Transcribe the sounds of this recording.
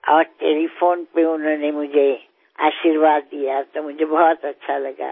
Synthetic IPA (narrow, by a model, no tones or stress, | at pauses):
ɔːɾʈelipʰoːnpeʊnanemʊd͡ʒʱe | a̰ːʃiɾʋaːd̪ːijat̪omʊd͡ʒʱebɔɦt̪ətːʃʰaləɡa̰ː